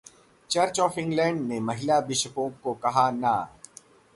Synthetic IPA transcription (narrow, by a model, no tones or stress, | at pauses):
t͡ʃɐɾt͡ʃɔːfɪ̃ŋɡlɛ̃ːɳɖnemɐɦɪlabɪʃəpõːkːokɐɦana